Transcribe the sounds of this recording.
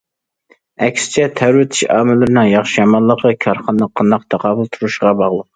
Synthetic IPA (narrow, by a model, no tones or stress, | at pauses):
ɛkʲsɪ̥t͡ʃʰɛt̪ʰæwɾwɪt̪ʰɪ̥ʃɑ̰ːmɪlɪɾɪnɪŋjɑχʃijɑmɑnlˠːəqʰəkʲʰɑɾχɑnːəqʰːɑnɑq̚t̪ʰɑqʰɑːbulˠt̪ʰuɾuʃʁɑbɑʁlˠəq̚